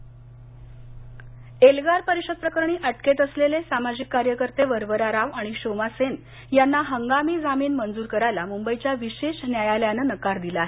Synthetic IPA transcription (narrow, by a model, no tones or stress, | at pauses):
elɡaɾpəɾiɕəd̪̚pɾəkəɾɳ̃iːʔəʈket̪əslelesamad͡ʑikːaɾjəkəɾt̪eʋəɾʋəɾaɾaʋaɽ̃iɕomasen | janːaɦəŋɡamiːd͡zamiːnmənd͡zuːɾkəɾajlamumbəit͡ɕjaʋiɕeɕnjajaljanənəkaɾd̪ilaːɦe